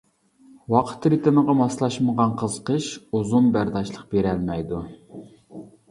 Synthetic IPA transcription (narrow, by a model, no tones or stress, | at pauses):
wɑqʰə̥t̪ʰːɾit̪ʰɨnəʁɑmɑslˠɑʃməʁɑnqʰəz̥qʰəʃuzumbæɾd̪ɑʃlˠəq̚beɾælmɛjd̪u